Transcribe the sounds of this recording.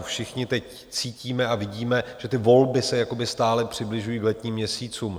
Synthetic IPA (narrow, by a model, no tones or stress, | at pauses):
fʃɪxɲɪt̪ɛc | t͡siːciːmɛavɪɟiːmɛʒ̥ɛt̪ɪvo̞lbɪsɛjako̞bɪst̪aːlɛpr̝̥ɪblɪʒujiːɡlɛt̪ɲiːmːɲɛsiːt͡suːm